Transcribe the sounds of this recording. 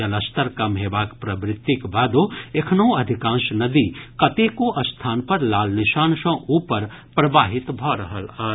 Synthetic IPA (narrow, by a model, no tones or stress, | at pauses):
ɐlɐst̪əɾkɐmɦeːbaːkpɾɐbɾɪt̪ːikbaːd̪oekʰnoũɐd̪ʱɪkãːnʃnɐd̪ikɐt̪ekoʔɐst̪ʰaːnpɐɾlaːlnɪʃaːnsɐ̃ʔuːpəɾ | pɾɐbaːɦɪt̪bʱɔːɾɐɦəlaː